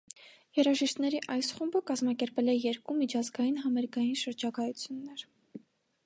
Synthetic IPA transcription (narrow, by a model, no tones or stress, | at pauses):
jɛɾɑʒiʃt̪nɛɾiʔɑjsχumbəkɑzmɑkɛɾpɛlɛjɛɾkumit͡ʃʰɑzɡɑjinɦɑmɛɾɡɑjinʃəɾd͡ʒɑkɑjut͡sʰjunːɛɾ